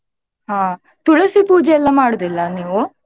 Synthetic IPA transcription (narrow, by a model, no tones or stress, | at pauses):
ɦaː | t̪uɭɐsipuːd͡ʒɛɛlːɐmaːɽod̪ilːɐniːʋu